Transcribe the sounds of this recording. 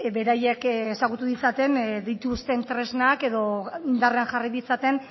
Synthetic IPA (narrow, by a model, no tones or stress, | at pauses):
be̞ɾaje̞kesaɣut̪uðit͡sat̪e̞nd̪it̪ust̪e̞nt̪ɾe̞znake̞ðo̞ind̪areanʝariðit͡sat̪e̞n